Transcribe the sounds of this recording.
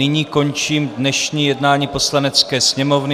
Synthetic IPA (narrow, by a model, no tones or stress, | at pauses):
ɪɲiːko̞nt͡ʃiːmdnɛʃɲiːjɛdnaːɲiːpo̞slanɛt͡skɛːsɲɛmo̞vnɪ